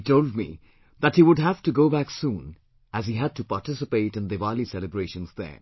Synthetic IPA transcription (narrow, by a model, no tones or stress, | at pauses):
toʊld̚mḭ | ðæthiwʊd̚ɦæv̥tuɡoʊbæksũːn | æziɦæd̚tupaɾʈɪsɨpeɪtɨ̃nd̪ɨvælisɛləbɹeɪʃə̃nzðə̰˞